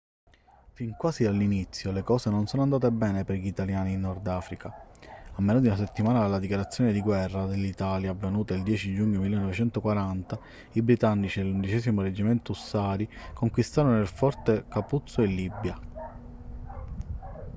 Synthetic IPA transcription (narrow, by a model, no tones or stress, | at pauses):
fiŋkwaːzialːinit̪sːjolekɔːsenonsɔːnoand̪aːt̪ebɛːnepeɾʎit̪aljaːniːnːɔrd̪aːfɾikaamːeːnod̪iunas̬et̪ːimaːnaalːad̪ikjaɾat̪sːjɔːned̪iɡwɛrːad̪elːit̪aːljaːvːenuːt̪eild̪jɛːt͡ʃid͡ʒuɲːomilːenːɔvet͡ʃɛnt̪okwaɾant̪a | ibɾit̪anːit͡ʃid̪elund̪it͡ʃɛːsimoɾed͡ʒːimɛnt̪ousːaːɾikoŋkwist̪aːɾonoilfɔrt̪ekaput̪soelːibja